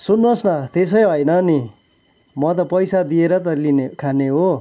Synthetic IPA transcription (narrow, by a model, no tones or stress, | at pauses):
sunːosnʌt̪es̬ʌjɦojnʌni | mʌt̪ʌpʌjsad̪ieɾʌt̪ʌlinekʰaneɦo